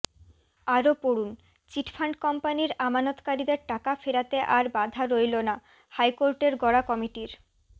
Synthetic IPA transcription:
aɾopoɽun | t͡ɕiʈfʰaɳɖkɔmpaniɾamanot̪kaɾid̪eɾʈakafeɾat̪eʔaɾbad̪ʱaɾojlona | hajkoɾʈeɾɡɔɽakɔmiʈiɾ

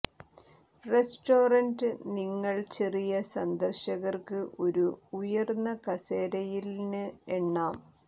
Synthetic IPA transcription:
re̞sʈoːrɐndɨniŋːɐɭt͡ɕerijɐsɐnd̪ɐrɕɐɣɐrkɨʔo̞ɾuujɐrnːɐkɐseːɾɐjilnɨeɳːaːm

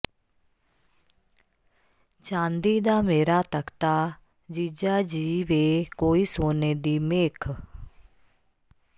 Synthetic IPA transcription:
t͡ʃãːnd̪iːd̪aːmeːɾaːt̪əkt̪aː | d͡ʒiːd͡ʒaːd͡ʒiːʋeːkoːiːsoːneːd̪iːmeːkʰ

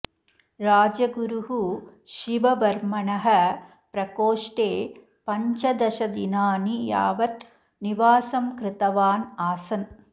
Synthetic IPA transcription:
ɾaːd͡ʒɐɡuɾuɦuʃiʋɐʋɐɾmɐɳɐɦɐ | pɾɐkoːʂʈeː | pɐɲt͡ʃɐd̪ɐʃɐd̪inaːnija̰ːʋɐt̪ | niʋaːsɐmkɾɪt̪ɐʋaːnaːsɐn

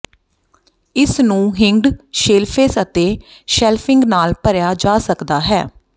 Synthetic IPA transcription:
ɪsnũːɦɪŋɖʃeːlpʰeːsət̪eːʃɛːlpʰɪŋɡnaːlpəɾjaːd͡ʒaːsəkd̪aːɦɛ̰ː

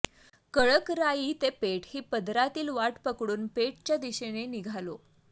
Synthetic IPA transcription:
kəɭəkɾajiːt̪epeʈhiːpəd̪ɾat̪iːlʋaʈpəkɽuːnpeʈ̚t͡ɕjad̪iɕeneniɡʱalo

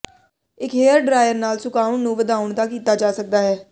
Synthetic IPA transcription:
ɪkɦeːəɾɖɾaːɪjəɾnaːlsʊkaːʊɳnũːʋəd̪aːʊɳd̪aːkiːt̪aːd͡ʒaːsək̚d̪aːɦɛː

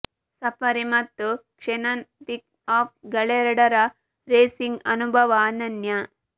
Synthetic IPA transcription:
sɐpɐɾimɐt̪ːukʂenɐnpik̚ | aːp̚ɡɐɭeɾɐɽɐɾɐ | ɾeːsiŋɡɐnubʱɐʋaːnɐnjɐ

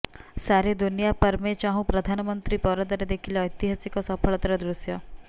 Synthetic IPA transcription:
saɾed̪unijapəɾmet͡ʃaɦũpɾɐd̪ʱanmənt̪ɾiːpɔɾəd̪əɾed̪ekʰilːjt̪iɦasikɔsəfʰəɭt̪ɾɛd̪ɾusjɔ

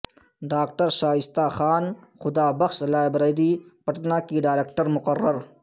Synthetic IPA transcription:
ɖaːk̚ʈɐɾʃaːɪst̪aːxaːnxʊd̪aːbɐxʃɐlaːbɾɐːd̪iːpɐʈnaːkiɖaːjɾeːkʈɐɾmʊqɐrːɐɾ

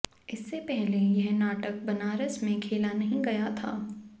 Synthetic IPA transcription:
ɪsːepɛɦlejɐɦnaːʈək̚bɐnaːɾəsmẽkʰeːlanɐɦĩɡɐjat̪ʰa̰ː

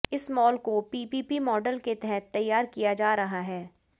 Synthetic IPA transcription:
ɪsmɔːlkopiːpiːpimɔːɖəlket̪ɛɦɛt̪ːɐjːaːɾkijad͡ʒaːɾɐɦaɦɛː

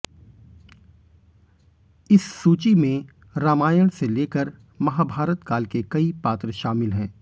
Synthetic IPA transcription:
ɪsːuːt͡ʃimẽ | ɾaːmaːjəɽ̃seleːkəɾ | mɐɦaːbʱaːɾət̪kaːlkekɐipaːt̪ɾəʃaːmɪlɦɛ̃ː

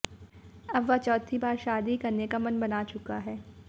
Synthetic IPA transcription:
ɐbʋɐt͡ʃɔːt̪ʰibaːɾʃaːd̪ikɐɾnekamɐnbɐnat͡ʃʊkaɦɛː

